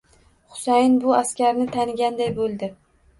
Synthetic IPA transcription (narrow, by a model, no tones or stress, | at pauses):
χʊ̥sajɪnbʊaskʲaɾnɪt̪ʰanɪɡʲand̪ajbolˠd̪ɪ